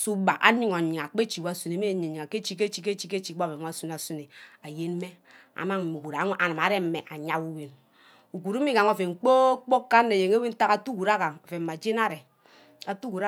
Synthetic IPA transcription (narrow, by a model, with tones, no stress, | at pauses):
su˦ba˨ʔa̰˨ɲi˦ŋo˨ɲi˨ŋa˨k͡pe˦t͡ʃi˨wa˦su˨ne˨˦me˦˨˦ɲ˨ɲi˨ŋa˨ke˦t͡ʃi˦ke˦t͡ʃi˦ke˦t͡ʃi˦ke˦t͡ʃi˨ɡ͡bo˦˨fe˨˦a˦su˦na˨su˦ne˨a˨je˦n˦me˦ | a̰˨ma˦ŋ̩˨mu˨ku˨ɾa˨˦ʔa˨nɨ˨ma˨˦ɾe˦m̩˦me˨ʔa˨ɲa˦ku˦we˦n | u˨ku˨ɾu˦mi˦ka˨ŋo˨fe˨ŋ͡m̩˨k͡po˦k͡po˦kːa˦nː˦e˨je˨ŋe˦wi˦n̩˦ta˦ka˦tu˦ku˨ɾa˦ka˨ŋo˨fe˨m̩˨ma˨d͡ʒe˦na˦ɾe˨ | a˨tu˦ku˨ɾa˦